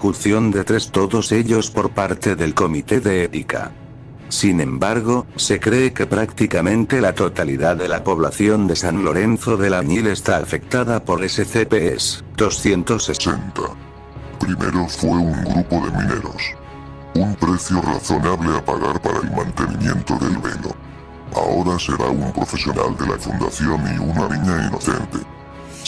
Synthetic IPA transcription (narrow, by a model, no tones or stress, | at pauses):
funθjo̞nd̪e̞t̪ɾe̞st̪o̞ðo̞se̞ʎo̞spo̞ɾpaɾt̪e̞ðe̞lko̞mit̪e̞ðe̞et̪ika̰ | sinẽ̞mbaɾɣo̞se̞kɾe̞ːke̞pɾakt̪ikamẽ̞nt̪e̞lat̪o̞t̪aliðaðe̞lapo̞β̞laθjo̞nd̪e̞sannlo̞ɾe̞nθo̞ðe̞laɲile̞st̪aːfe̞k̚t̪að̞apo̞ɾleseθepeesd̪̥osθje̞nt̪osːesent̪a | pɾimḛɾo̞fweuŋɡɾupoðemĩneɾo̞s | umpɾeθjora̰θo̞naβleapaɣaɾpaɾaelmãnt̪e̞nimjẽ̞̰nt̪oðelβḛlo̰ | aoɾaseɾa̰umpɾofesjo̞na̰ld̪e̞lʔafund̪aθjonḭunaniɲainoθe̞̰nt̪e